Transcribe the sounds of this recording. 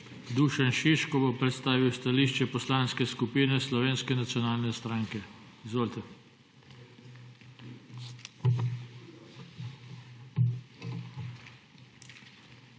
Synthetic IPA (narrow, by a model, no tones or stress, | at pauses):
d̪uːʃɛnʃiʃkɔbopɾɛt̪st̪aːʋiwst̪aliːʃt͡ʃɛpɔslaːnskɛskupiːnɛslɔʋeːnskɛnat̪sjɔnaːlnɛst̪ɾaːŋkɛ | izʋoːlt̪ɛ